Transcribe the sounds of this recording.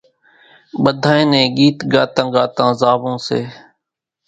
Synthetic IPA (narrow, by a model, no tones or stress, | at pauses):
ɓəd̪ʱaːẽːnẽːɡiːt̪ɡaːt̪ə̃ŋɡaːt̪ãːzaːʋõːsḛː